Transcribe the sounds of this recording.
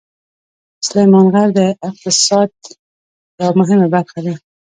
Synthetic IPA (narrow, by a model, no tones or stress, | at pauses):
slajmɑnɣaɾd̪əɪq̚t̪ɪsɑd̪̚ | jawmʊɦɪmabaɾxad̪a